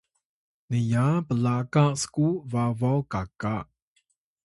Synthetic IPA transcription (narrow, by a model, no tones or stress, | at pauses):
nəjapəlakaʔsə̥kuvavɔwkakaʔ